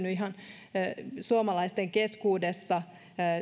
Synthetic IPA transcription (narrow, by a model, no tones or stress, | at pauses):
nyiɦɑn | suomɑlɑist̪eŋkeskuːdesːɑ